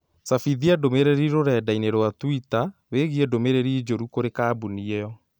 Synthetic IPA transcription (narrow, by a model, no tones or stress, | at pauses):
safiðiadomeɾeɾiɾoɾɛdaineɾowatwitaweɣiɛdomeɾeɾiːd͡ʒoɾukoɾekaːbuniɛɔ